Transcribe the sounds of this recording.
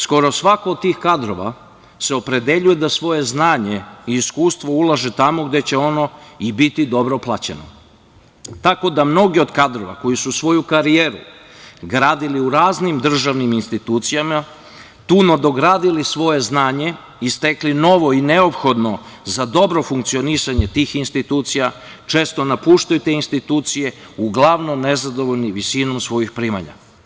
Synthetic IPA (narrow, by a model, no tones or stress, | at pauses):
sko̞ɾo̞sʋakoːd̪̚t̪iːxkad̪ɾo̞ʋa̰ | se̞o̞pɾe̞d̪e̞ʎuje̞d̪asʋo̞je̞znaːɲe̞iːskuːst̪ʋo̞ulˠaʒet̪amo̞ɡd̪e̞t͡ɕe̞o̞no̞ibit̪id̪o̞bɾoplˠat͡ɕḛno̰ | t̪ako̞d̪amno̞ɡio̞d̪kad̪ɾo̞ʋa̰ko̞jisusʋo̞jukaɾijeːɾṵ | ɡɾaːd̪iliuɾaːznimd̪r̩ʒaʋniminst̪it̪uːt̪sijama | t̪uːnod̪o̞ɡɾaːd̪ilisʋo̞je̞znaːɲe̞ | ist̪e̞klino̞ʋo̞ine̞o̞pxo̞d̪no̞zad̪o̞bɾo̞fuŋkt̪sio̞nisaɲe̞t̪iːxinst̪it̪uːt̪sija | t͡ʃe̞ːst̪o̞napuːʃt̪ajut̪e̞inst̪it̪uːt̪sije̞ | uɡlˠaʋno̞mne̞zad̪o̞ʋo̞ʎniʋisino̞msʋo̞jixpɾiːma̰ɲa̰